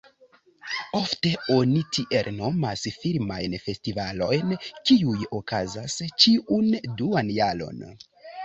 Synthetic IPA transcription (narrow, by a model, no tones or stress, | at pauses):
o̞fte̞o̞nitʰiʔe̞lno̞ma̰sfiɾmajnfe̞stivalo̞̰jnkiujo̞kazast͡ʃiʔunduanjalo̞̰n